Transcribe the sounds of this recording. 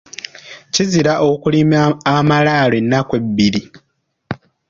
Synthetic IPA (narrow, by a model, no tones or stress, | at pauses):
ciziɾaʔokulimamalaːlenːakwe̞bːili